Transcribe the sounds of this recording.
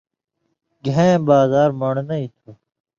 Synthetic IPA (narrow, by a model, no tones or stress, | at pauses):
ɡʱẽbaːzaːɾmɐɳnɐit̪ʰuː